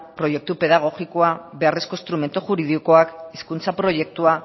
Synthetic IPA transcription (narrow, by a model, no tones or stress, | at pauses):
pɾo̞je̞k̚t̪upe̞ðaɣ̞o̞ɣikoaβe̞areskoist̪ɾume̞nt̪uxuɾiðiko̞akiskunt͡sapɾo̞je̞k̚t̪ua